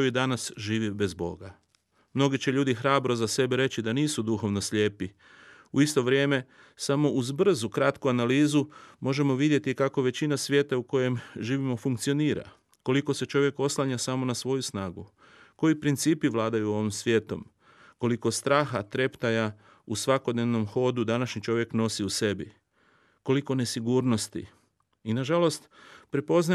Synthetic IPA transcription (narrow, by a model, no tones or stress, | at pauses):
kojid̪anasʒiːʋibe̞zbo̞̰ɡa | mno̞ɡit͡ɕe̞ʎuːd̪ixɾaːbɾo̞zase̞beɾe̞t͡ɕid̪aniːsud̪uxo̞ʋno̞sʎe̞ːpi | uist̪o̞ʋɾje̞ːme̞ | samo̞ʔuzbr̩zukɾat̪kuanaliːzumo̞ʒe̞mo̞ʋid̪je̞t̪ikako̞ʋe̞t͡ɕinasʋjet̪auko̞je̞mʒiːʋimo̞fuŋk̚t̪sio̞niːɾa̰ | ko̞liko̞se̞t͡ʃo̞ʋje̞ko̞slˠaɲasamo̞nasʋo̞jusnaːɡu | ko̞jipɾint̪siːpiʋlˠaːd̪ajuo̞ʋimsʋjeːt̪o̞̰m | ko̞liko̞st̪ɾaːxat̪ɾe̞pt̪aja | usʋako̞d̪ne̞ʋno̞mxo̞ːd̪ud̪anaʃɲit͡ʃo̞ʋje̞kno̞siuse̞bi | ko̞liko̞ne̞siɡuːɾno̞st̪ḭ | inaʒalo̞st̪pɾepo̞zna